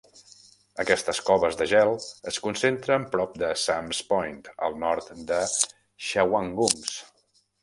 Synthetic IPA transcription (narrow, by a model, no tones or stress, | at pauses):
əkɛst̪əskɔβəzðəʒɛlˠəskunsent̪ɾəmpɾɔp̚d̪əsamspɔjnt̪ə̰lˠnɔɾt̪d̪ə | ʃawaŋɡums